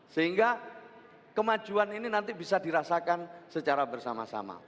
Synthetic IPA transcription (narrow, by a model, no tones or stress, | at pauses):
səɦiŋɡa | kəmḁd͡ʒuanininant̪ibisadiɾasakansət͡ʃaɾabərsama̰sa̰ma̰